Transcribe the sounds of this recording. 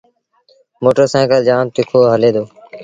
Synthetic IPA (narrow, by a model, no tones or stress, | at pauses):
moːʈəɾsãːɡəld͡ʒaːmt̪ɪkʰoːɦəleːd̪oː